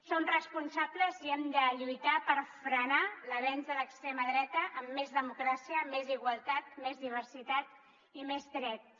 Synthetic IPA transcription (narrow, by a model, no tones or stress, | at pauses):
sonrəspunsabləziɛmd̪əʎujt̪apəɾfɾənaləβɛnzðələkst̪ɾeməðɾɛt̪əʔːmːezðəmukɾasiəmeziɣwəlˠt̪at̪mezðiβ̞ərsit̪at̪ | imezd̪ɾɛt̪̚